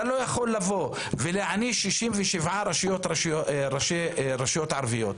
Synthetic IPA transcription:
alo̞jaχo̞lːavo̞ | veleʕaniʃiʃimveʃivʕaɾaʃjot̪aʃoɾaʃeɾaʃijot̪ʕaɾvijo̞t̪

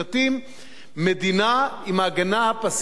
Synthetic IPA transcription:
atimː | ed̪inaimaɡanaapas

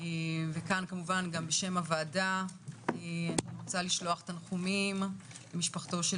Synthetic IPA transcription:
evekankamuvanɡambeʃe̞mavaːda | eaniʁot͡saliʃlo̞aχetanχumim | lemiʃpaχt̪o̞ʃe

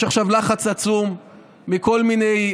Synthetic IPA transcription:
aχʃavlaχat͡sat͡sumː | iko̞lminej

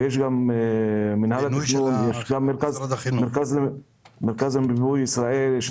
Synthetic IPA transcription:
jeʃ̬ɡam | mːɪnhalatnunjeʃɡamːeɾkazmeɾkaz | meɾkazmbibujɪsɾˤɑʔeljeʃ

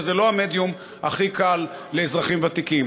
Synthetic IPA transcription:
zelo̞hame̞d̪jum | aχikalːeːzʁaχimvat̪ikim

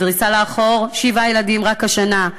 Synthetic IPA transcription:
dʁisaleaχoʁʃivajeladimʁakaʃana

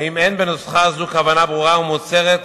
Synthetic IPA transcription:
imenbenosχazukavanabʁuʁaumot͡se̞ʁet̪

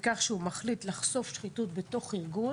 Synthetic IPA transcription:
kaχʃeumaχlitlaχso̞fʃχitutbe̞to̞χiʁɡu

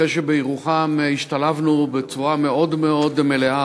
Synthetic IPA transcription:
eʃebejiʁuχamiʃt̪alavnubet͡suameo̞d̪meo̞d̪melea

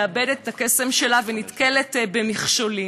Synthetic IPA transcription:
abedettːakesemʃelavenitkeletbemiχʃoli

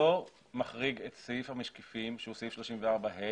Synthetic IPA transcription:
o | maχʁiɡet̪sejifhamaʃkifimʃehuseifʃloʃimveaʁbaɦe

